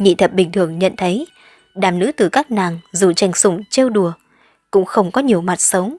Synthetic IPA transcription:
ɲḭ˧˨t̪ʰə˨˩p̚ɓï˨˩ŋ̟t̪ʰɨ˨˧˩əŋɲə̰˧˨nt̪ʰə˨˦j | ɗaː˨˩mnɨ̰˧˥t̪ɨ˨˩kaː˦˥k̚naː˨˩ŋzu˨˩t͡ɕa˨˩jŋ̟sʊ˧˩ŋ͡mt͡ɕe˧wɗu˨˩ə | kʊ̰˧˥ŋ͡mxə˧wŋ͡mkɔ˨˦ɲi˨˩əwma˨˩t̚sə˨˦wŋ͡m

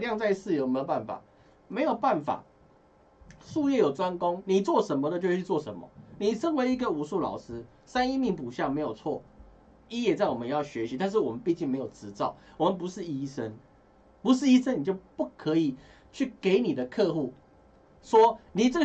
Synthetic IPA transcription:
ljɑ˥˧ŋt͡sa˥˧ɪsɹ̩˥˩˨jo˧ʊnme˧˥jpa˥˩nfa̰˨˩ | me˧˥ɪjo˨˩ʊpa˥˩nfa̰˨˩˦ | ʂu˥˧jɛ˥˩jo˨˩ʊʈ͡ʂwa˦nko˦ŋni˨˩t͡swɔ˥˨ʂə˧˦nmɔ˨d̪ə˨t͡ɕjo˥˧ʊɕʰy˥˧t͡swɔ˥˩ʂə̰˧˦nmɐ̰˨ni˨ʂʰə˦nwe˧˥ɪi˧˥ɡə˨u˨˩ʂu˥˩lɑ̰˨˩ʊʂɻ̩˦ | sa˦ni˥˧mi˥˩ŋpu˨˩ɕjɑ˥˩ŋme˧˥ɪjo˨˩ʊt͡sʰwɔ̰˥˩ | i˥jɛ˨t͡sa˥˩ɪwɔ˨˩mə˦njɑ˥˩ʊɕɥɛ˧˦ɕi˨t̪ʰa˥˧nʂ̬̩˥˩wɔ˨˩mə˨˦npi˥˧t͡ɕi˥˩ŋme˧˥ɪjo˨˩ʈ͡ʂɻ̩˧˥t͡sɑ˥˨˩ʊwɔ˨˩mə˨np̬u˧˦ʂɻ̩˥˩i˥ʂə˦n | pu˧˦ʂ̬ɻ̩˥˩i˦˥ʂə˥˦ni˨˩t͡ɕjo˥˧ʊpu˥˩kʰɤ˧˦i˨˩ | t͡ɕʰy˥˩ke˧˦ɪni˨˩d̪ə˦kʰɤ˥˧xu˥˩ | ʂwɔ˦ni˨˩t͡sə˥˩

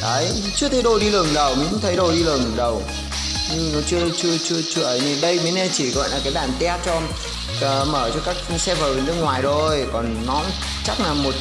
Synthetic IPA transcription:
kaː˨˦jt͡ɕɨ˧˦˥t̪ʰə˨˦jɗo˧˩jɗi˧lɨ˨˩ŋɗə˨˩wmi˨˦ṵ˧˦t̪ʰə˨˦jɗo˧˩jɗi˧lɨ˨˩əŋɗə˨˩w | ɲɨ˧nɔ˨˦t͡ɕɨ˧ət͡ɕɨ˧ət͡ɕɨ˧ət͡ɕɨ˧əʔəː˨˩jne˨˩ɗə˧jmi˨˦nɛ˧˩t͡ɕi˧˩ɣɔ̰˧˨jlaː˨˩kaː˨˦jɓaː˧˩nt̪ɛ˧a˦˥t̚t͡ɕɔ˧˩ | məː˧˩t͡ɕɔ˧kaː˦˥k̚sɛ˧vəː˨˩e˨˩nɨ˦˥k̚ŋwaː˨˩jɗo˧jkɔ˨˩nːɔ˨˦ | t͡ɕa˦˥k̚naː˨˩mo˨˩t̚

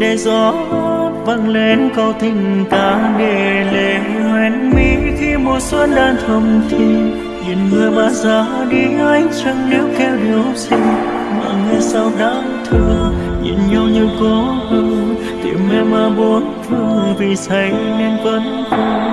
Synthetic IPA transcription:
ɗe˧˩zɔ˨˧˦ | və̰˧˨nle˧nkə˧˩wt̪ʰï˧˩ŋ̟t̪aː˧˨˦ɗe˧˩le˨˩ŋwɛ˨˦nmi˧˥xi˧mo˨˧˩t̚swə˧˦n̚ɗaː˧t̪ʰə˧˩ŋ͡mt̪ʰi˧˩ | ɲḭ˧˨nmɨ˨˧˩əjmaː˨˩zaː˨˧˦ | ɗi˧ŋa˧˦jŋt͡ɕə˧ŋɗi˨˧˦wkɛ˧wɗi˨˧˩əwsi˧ŋ | ma̰ː˧˨ŋŋɨ˧˩jsa˧wɗaː˧˦ | t̪ʰɨ˧əŋɲḭ˧˩˨nɲə˧wɲɨ˧kɔ˨˧˦hɨ˧ŋ | t̪ḭ˧˩mɛ˧˩maː˧˩ɓo˨˧˦nt̪ʰɨ˧əŋvi˨˩sʰə˨˦jnɛ˧nkə˨˦nt̪u˧˩

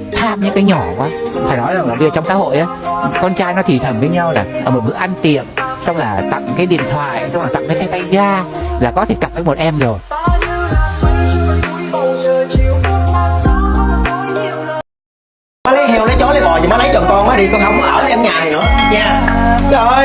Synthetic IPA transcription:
t̪ʰaː˧mɲɨ̰˧˥ŋkaː˨˦jɲɔ˧˩kwaː˨˦˧faː˧˩jnɔ˨˦jlaː˨˩mo˨˩t̚ɓi˧˨˩t͡ɕwŋ͡msa̰ː˧˥ho̰˧˨jʔaː˨˦˨kɔ˧nt͡ɕaː˧jnɔ˨˦t̪ʰi˨˩t̪ʰə˨˩nvəː˨˦jɲa˧wlaː˨˩ʔəː˧˩mo˨˩mɨ̰˦˥ʔa˧nt̪i˨əmsɔ˧wŋ͡mlaː˨˩t̪a̰˧˨ŋkaː˨˦jɗḭ˧˨ənt̪ʰwa̰ː˧˨jsɔ˧wŋ͡ma˨˩a̰˧˨ŋkaː˨˦ka˨˦jt̪a˧jzaː˧ | laː˨˩kɔ˨˦t̪ʰe˧˩kə˨˩p̚vəː˨˧jmo˨˩t̚ʔɛ˧mzo˨˩j | maː˨˦lə˨˦hi˨˩əwlə˨˦jt͡ɕɔ˨˦lə˨˧˦jmɔ˧˩i˨˩ma˨˦lə˨˦jɗɨ˨˩ŋkɔ˧nmaː˨˦ɗi˧kɔ˧ha˨˦wŋ͡mʔaː˧˩wa˨˦ʔɛ˧mɲaː˨˩˨ʔɲɛ˧˩zo˨˩

